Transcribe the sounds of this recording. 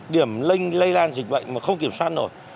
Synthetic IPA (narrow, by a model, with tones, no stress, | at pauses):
ɗi˧˩əmlï˧ŋ̟lə˧jlaː˧nzï˨˩k̟̚ɓə̰˧˨jŋ̟maː˨˩xə˧wŋ͡mki˧˩əmswaː˦˥t̚no̰˨˧˩j